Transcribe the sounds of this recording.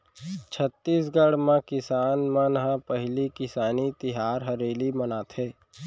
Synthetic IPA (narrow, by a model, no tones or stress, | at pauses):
t͡ʃʰət̪ːiːsɡəɽmãkɪsaːnmənɦãpəɦlikɪsaːnit̪ɪɦaːɾɦɐɾeːlimənaːt̪ɦɛː